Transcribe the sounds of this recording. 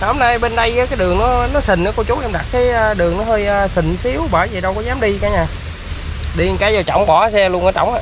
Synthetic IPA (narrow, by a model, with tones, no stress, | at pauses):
ho˨˧˩mna˧jɓe˧nɗə˧jʔaː˨˦kaː˨˦jɗɨ˨˩əŋnɔ˨˦nɔ˨˦sï˨˩ŋ̟ʔəː˨˦kɔ˧t͡ɕʊ˨˦wʔɛ˧mɗa˨˩t̚kaː˨˦jəː˧ɗɨ˨˩əŋnɔ˨˦həː˧jʔəː˧sï˨˩ŋ̟si˨˦əwɓəː˧˩jzi˨˩ɗə˧wkɔ˨˦zaː˨˦mɗi˧kaː˨˧˦ɲaː˧˩ | ɗi˧˨˩kaː˨˦jzaː˨˩wt͡ɕɔ̰˧˩wŋ͡mɓɔ˧˩˦sɛ˧lu˧nʔəː˧˩t͡ɕɔ̰˧˩wŋ͡mʔaː˧˨